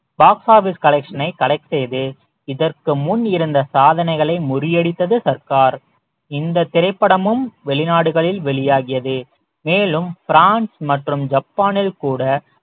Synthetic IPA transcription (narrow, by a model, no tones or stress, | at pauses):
b̥aːksaːɾʋɪskɐlɛkʂɐnɐɪkːɐlɐɪksejðɯ | ɪðɐrkɯmʊnːɪɾɯnd̪ɐsaːðɐnɐɪɣɐɭɐɪmʊrɪjɛɽɪt̪ːɐðɯsɐɾkaːɾ | ɪnd̪ɐt̪ːɪɾɐɪpːɐɽɐmɯmʋɛɭɪnaːɽɯɣɐɭɪlʋɛɭɪjaːɣɪjɐðɯ | meːlɯmfɪɾaːnsmɐʈrɯmd͡ʒɐpːaːnɪlkuːɽɐ